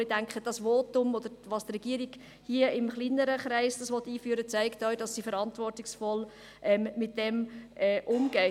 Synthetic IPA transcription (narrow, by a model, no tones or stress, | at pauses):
idæŋkχəd̥ɑsʋɔːtʊmɔd̪əɾʋɑːstrɛɡ̥iəɾiɡ̥ | hiəɪmχliːnːəɾəχɾæɪsd̥ɑsʋɔt̪ːiːfyːəɾət͡sæɪktœɥd̥ɑsːifəɾɑntʋɔrtɪksfɔl | ʔɛmːɪt̚dɛmɛʔʊmɡ̥ɛ